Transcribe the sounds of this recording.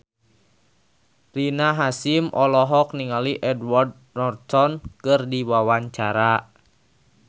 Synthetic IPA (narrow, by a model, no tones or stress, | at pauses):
rinaɦasimʔɔlɔɦɔk̚niŋaliʔɛdward̚ | nɔrsɔnkɨrdiwawaɲt͡ʃaɾa